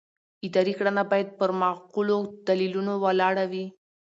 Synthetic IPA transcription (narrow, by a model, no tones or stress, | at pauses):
id̪aɾikɽanabɑjad̪̚pəɾmɑqulod̪̥alilunowalɑɽawi